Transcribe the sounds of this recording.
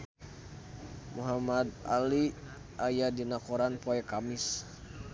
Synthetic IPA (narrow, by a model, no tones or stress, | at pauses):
muɦamad̪̚a̰li | ʔajadinakoɾanpɔɛkamis